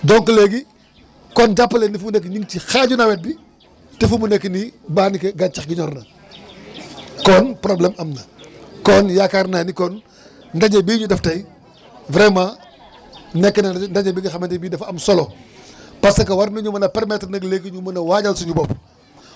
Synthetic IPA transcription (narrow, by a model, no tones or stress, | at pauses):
dɔŋkəleɡi | kɔnd͡ʒapːɐlendifumunek̬ːɲiŋtixaɟunɐwɛt̚bi | tefumunekːnibaːnikɐɡat͡ʃɐxɡiɲɔɾnɐ | kɔːnpɾoblɛːmɐmnɐkɔnjakaɾnanikɔn | ndɐɟɐbiːɲudɐftɐj | vɾɛma | nɛkːɐnɐndɐɲɐbiɡixɐmɐntibiːdɐfɐmsɔlo | pɐsɐkɐwɐɾnuɲumɐnɐpɛɾmɛtɾnɐɡleːɡiɲumɐnɐwaːɟɐlsuɲubɔp